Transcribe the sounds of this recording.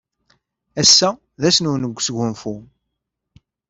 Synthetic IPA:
æsːæ | ðæsnunəɡʷːsəɡʷʊnfu

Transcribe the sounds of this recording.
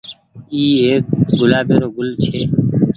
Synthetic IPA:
iːeːk̚ɡʊlaːbeːɾoːɡʊlt͡ʃʰeː

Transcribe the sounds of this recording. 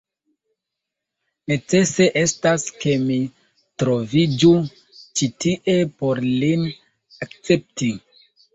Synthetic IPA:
ne̞t͡se̞se̞ʔe̞staske̞mi | tɾo̞vid͡ʒu | t͡ʃitiʔe̞po̞ɾlin | akt͡se̞p̚ti

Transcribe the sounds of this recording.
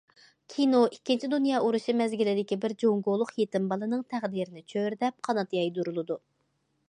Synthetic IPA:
kʲʰinoʔikʲːint͡ʃʰid̪unjɑːʔuɾuʃimɛzɡʲilɪd̪ɪkʲibɪɾd͡ʒoŋɡolˠʊqjet̪ɪmbɑlˠɨnɨŋt̪ʰæʁd̪iɾɪnɪt͡ʃʰøɾd̪ɛp̚qʰɑnɑt̪jɑjd̪uɾulˠɨd̪u

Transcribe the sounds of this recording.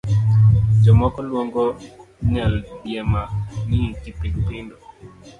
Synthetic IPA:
d͡ʒɔmɔkɔlwoŋɡɔ | ɲalbjɛmanitipɾikpindɔ

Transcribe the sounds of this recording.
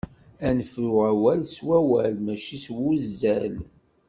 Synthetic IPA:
ænfʊʁæwælswæwælmæʃiswuzːæl

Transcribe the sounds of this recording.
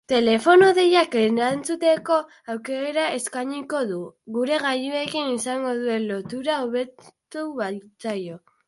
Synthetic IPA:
t̪e̞le̞fo̞noðejakeant͡sut̪e̞ko̞ | awke̞ɾaʔe̞skaɲiko̞ðuɣuɾe̞ɣaʎue̞kinisaŋɡo̞ðue̞lːo̞t̪uɾaoβe̞tt̪uβat͡sajo̞

